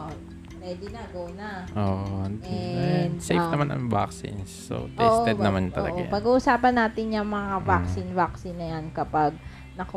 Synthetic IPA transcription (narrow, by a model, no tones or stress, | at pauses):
ʔ | ɾɛd̪ɪnaɡownɐʔoːʔond̪iɛd̪sḛjfnɐmanɐ̰ŋva̰ksɪ̰nsːo̰t̪ɛsʔoɛnɐmant̪ɐllɐ̰ʔajpɐɡuːʔʊsaːpɐnːaːt̪ɪnjɐŋmɐŋavaksɪnvaksɪnːɐjankɐpaɡ̚ | nɐk